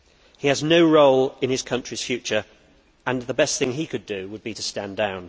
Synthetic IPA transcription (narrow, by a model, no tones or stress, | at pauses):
hiəznoʊɹoʊlɪ̃nɪz̥kʰʌ̃nt͡ʃɹ̥iz̥fjʉˑt͡ʃə˞ | ə̃nðəbɛsθɪ̃ŋikʰɨdɨwəd̚bitəstæ̃ndãʊ̃n